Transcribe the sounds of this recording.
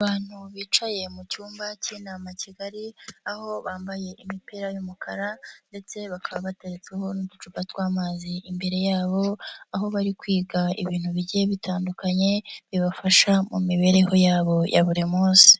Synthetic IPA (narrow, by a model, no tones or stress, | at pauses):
aβaːn̥huβiːt͡ʃaje̞mucuːmbacinaːmaciɡaɾiaho̞βaːmbaje̞ʔimipiɾajumukʰaɾande̞t͡se̞βakʰaβaβateɾet͡seɦo̞nudut͡ʃubatwaːmaziʔimbe̞ɾe̞jaːβo̞aɦo̞βaɾikwiːɡaḭβiːn̥huβiɟieβitʰaːndukaɲe̞βiβafaʃamṵmiβe̞ɾe̞ho̞jaːβo̞jʔa̰βuɾimuːsi̥